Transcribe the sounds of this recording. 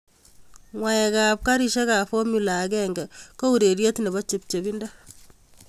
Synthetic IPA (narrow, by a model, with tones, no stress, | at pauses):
ŋwa˨jɛ˨ka˨p̚ka˦ɾi˨ʃe˦ka˨fɔ˦mu˨la˨kɛŋɡɛ˨ko˦u˨ɾe˨ɾje˦tne˨bɔ˦t͡ʃe˨p̚t͡ʃe˨bi˦nda˦